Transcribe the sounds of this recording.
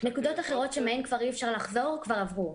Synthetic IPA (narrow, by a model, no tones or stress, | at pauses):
nekud̪o̞taχe̞ʁo̞tʃemeenkvaʁiɛfʃaʁlaχzo̞ʁkvaʁavʁu